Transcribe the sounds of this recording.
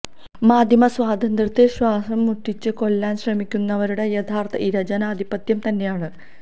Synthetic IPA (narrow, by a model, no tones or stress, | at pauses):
maːd̪ʱjɐmɐswaːd̪ʱɐnd̪rɐt̪ːeɕwaːsɐmːuʈːit͡ɕːɨko̞lːaːnɕrɐmikʲːunːɐʋɐɾuɽe̞jet̪ʰaːrt̪ʰɐʔiɾɐd͡ʑɐnaːd̪ʱipɐt̪jɐmt̪ɐnːe̞jaːɳɨ